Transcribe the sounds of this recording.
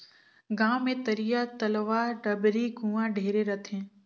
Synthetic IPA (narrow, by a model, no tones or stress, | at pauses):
ɡãːʋmẽt̪ɐɾijat̪ɐlʋaːɖɐbɾiɡũːãɖʱeːɾeɾɐt̪ʰẽː